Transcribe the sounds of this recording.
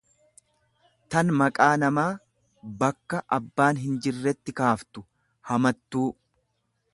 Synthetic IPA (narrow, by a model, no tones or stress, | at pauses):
t̪ɐnmɐkʼaːnɐmaː | bɐkːɐʔɐbːaːnɦɪnd͡ʒɪrːɛt̪ːɪkaːft̪ʊ | hɐmɐt̪ːuː